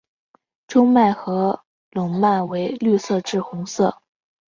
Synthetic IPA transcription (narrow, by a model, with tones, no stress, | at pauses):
ʈ͡ʂʊ˥ŋma˥˩ɪxɤ˧˥ | lʊ˨˩ŋma˥˩ɪwe˧˥ɪly˥˧sɤ˥˧ʈ͡ʂɻ̩˥˩xʊ˧˥ŋsɤ˥˩